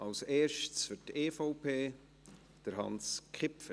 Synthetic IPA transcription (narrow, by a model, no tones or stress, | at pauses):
ʔɑlseːɾʃtsfʏteːfoʊpʰeː | d̥əɾɦɑ̰nskχɪpfə